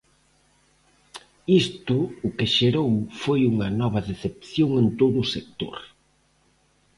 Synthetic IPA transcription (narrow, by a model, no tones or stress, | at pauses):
ist̪ʊʊkɪʃeɾowfojuŋɐnɔβɐðeθepθjoŋent̪oðʊːsek̚t̪o̰ɾ